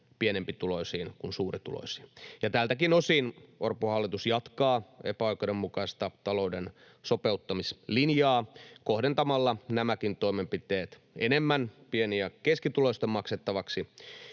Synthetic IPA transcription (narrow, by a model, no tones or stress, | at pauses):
pienempit̪uloisiːnkunsuːrit̪ṵlo̰si̥jɑt̪æːlt̪ækinosiːnʔorpohɑlːit̪usjɑt̪kɑːḛpæɑikoɾemmukɑist̪ɑt̪ɑlo̞uden | sopeut̪ːɑmislinjɑːkohdent̪ɑmɑlːɑnæmækint̪o̞imempit̪eːt̪ | ḛnemːænpieniækeskit̪uloist̪emɑkset̪ːɑʋɑksi